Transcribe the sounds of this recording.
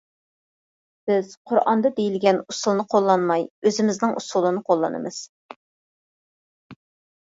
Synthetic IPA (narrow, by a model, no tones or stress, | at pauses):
b̥ɪz̥qʰʊɾʔɑ̰nd̪ɑd̪ejilɡʲɛnusulˠnɨqʰolˠːɑnmɑjøzɪmɪznɪŋʔusulˠɨnɨqʰolˠːɑnɨ̰mɨz̥